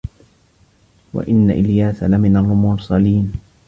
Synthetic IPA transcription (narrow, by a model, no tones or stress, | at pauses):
wa̰ʔɪnːa̰ʔɪljaːsalamɪnarˤːʊmʊɾsˤaliːn